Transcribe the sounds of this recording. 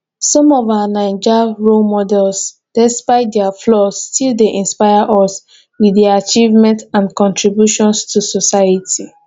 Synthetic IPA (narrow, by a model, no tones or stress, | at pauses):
sɔ̃mɔvawanaɪd͡ʒaɹomɔdɛls | d̥ɛspaɪt̚dɛaflɔstʰildeʔĩnspaɪaʔɔs | wiðaat͡ʃivmɛ̃ntãnkɔ̃ntʰɹibjuʃɔ̃nstusɔsaɪatʰi